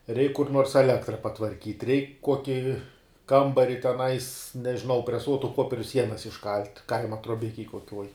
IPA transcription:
rʲɛɪk kʊr nuɔrs ɛˈlʲæːktrɐ pɐtʋɐrʲˈkʲiːt rʲɛɪk ˈkuɔkʲɪ ˈkɐmbɐrʲɪ tʲɛˈnɐɪs nʲɛʒʲɪˈnɐʊ pʲrʲɛˈsuɔtʊ ˈpoːpʲiɛrʲʊ ˈsʲiɛnɐs ɪʃˈkɐlʲtʲ ˈkɐɪmɐ truɔˈbʲɪkʲɛj kuɔˈkʲuɔj

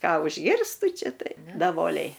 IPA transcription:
ˈkɑː ʊʒʲˈɡʲɪrstʊ ˈt͡ʃʲɛ ˈtɐɪ dɐˈʋoːlʲɛɪ

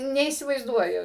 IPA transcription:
nʲɛiːsʲɪʋɐɪzˈduɔjʊ

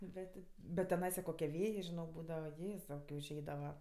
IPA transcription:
ˈbʲɛtʲ tʲɪ bʲɛt tʲɛˈnɐɪsɐ ˈkoːkʲiɛ ˈʋʲeːjeː ʒʲɪˈnoːk ˈbuːdɐʋɐˈjeːzɐʊ ʊʒʲˈɛɪdɐʋɐ

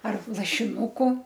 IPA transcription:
ɐr lˠɐʃʲɪˈnuːkʊ

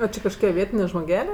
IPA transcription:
ˈoː t͡ʃʲɛ kɐʃˈkoːkʲiɛ ˈʋʲiɛtʲɪnʲeː ʒmoːˈɡʲæːlʲeː

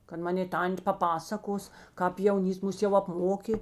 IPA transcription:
kɐt ˈmɑːnʲeː ˈtɐnʲtʲ pɐˈpɑːsɐkoːs kɑːp jɛʊˈnʲiːst ˈmʊs jɛʊ ɐpˈmoːkʲeː

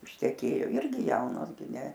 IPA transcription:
ɪʃʲtʲɛˈkʲeːjoː ˈɪrʲɡʲɪ ˈjɛʊnoːs ɡʲɪ nʲɛ

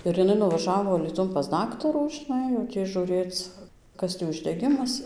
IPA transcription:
ɪr jɪˈnɐɪ nʊʋɐˈʒɑːʋoː ɐlʲiːˈtʊn pɐs ˈdɑːktɐruː ʒʲɪˈnɐɪ jɛʊ ˈtʲiː ʒuːˈrʲeːt͡s ˈkɐs tʲiː ʊʒʲdʲɛˈɡʲɪmɐs

